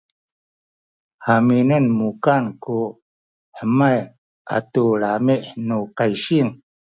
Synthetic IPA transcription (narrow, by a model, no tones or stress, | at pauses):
haminənmukanku | ħəmaj | ʔa̰tuɭamiʔnukajɕiŋ